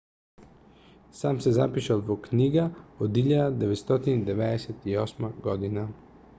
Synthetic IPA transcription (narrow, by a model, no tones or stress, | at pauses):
saːmsɛza̰piʃad̪ʋoknʲiːɡaɔd̪iʎʲad̪ɛʋɛt̪st̪ɔt̪ind̪ɛʋɛd̪ɛsɛt̪iosmaɡɔd̪ina